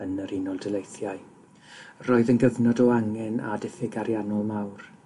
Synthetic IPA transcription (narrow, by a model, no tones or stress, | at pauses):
ənəɾinɔlˠdɛlˠejθjaɨ | roːɨðənɡəvnɔdɔaŋɛna̰dɛθɪɡaɾjanɔlˠmawr